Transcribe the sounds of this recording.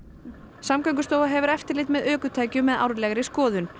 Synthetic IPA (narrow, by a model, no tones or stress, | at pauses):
samkœɥŋkʏst̪oːwvaɦɛvʏɾɛft̪ɪɾlɪːt̪mɛðœːkʏt̪ʰaːjcʏmːɛða̰wɾlɛɣɾɪskɔːðʏn